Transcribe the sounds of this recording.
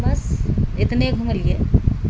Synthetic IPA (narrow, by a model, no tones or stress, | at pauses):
mɐsɪt̪neɡʱuməlie